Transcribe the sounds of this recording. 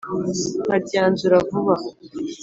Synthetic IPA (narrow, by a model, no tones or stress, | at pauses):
haɟaːnzuɾavuβa